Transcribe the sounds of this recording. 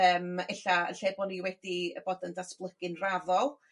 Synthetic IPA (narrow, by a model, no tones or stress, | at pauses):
əːmeɬaə̰ɬeːbɔniwɛdiəboːdəndasplˠəɡ̥ɪnravɔlˠ